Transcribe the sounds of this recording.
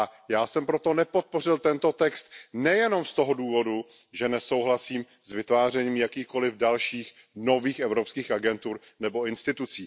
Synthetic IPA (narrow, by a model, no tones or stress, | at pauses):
ajaːsɛmpɾot̪o̞nɛpo̞t̪̚po̞rɪlt̪ɛnt̪o̞t̪ɛkst̪̚nɛjɛno̞mst̪o̞ɦo̞duːvo̞du | ʒɛnɛso̞wɦlasiːm | zvɪt̪vaːr̝ɛɲiːmjakiːxko̞lɪvdalʃiːx | no̞viːxɛvɾopskiːxʔaɡɛnt̪uɾ | nɛbo̞ɪnst̪ɪt̪ut͡siː